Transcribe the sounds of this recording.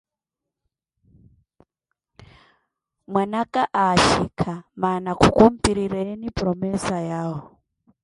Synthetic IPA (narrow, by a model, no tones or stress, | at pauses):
mwanakaʔaʃikʰamanakukum̩piɾiɾɛnipromɛsajaːɦɔ